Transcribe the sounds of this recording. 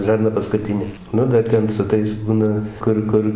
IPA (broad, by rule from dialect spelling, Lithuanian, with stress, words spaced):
ʒɐrˈnɐ pɐskʊˈtʲɪnʲeː ˈnʊ dɐr ˈtʲɛn sʊ ˈtɐɪs ˈbuːnɐ ˈkʊr ˈkʊr